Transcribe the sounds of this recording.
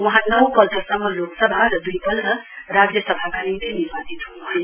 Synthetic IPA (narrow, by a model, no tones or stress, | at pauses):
wɦãnʌwpʌlt̪ʌksʌmːʌloksʌbʱaɾʌd̪ujpʌld̪ʌrad͡zjʌsʌbʱakanit̪inibasit̪ɦunuɦʌj̃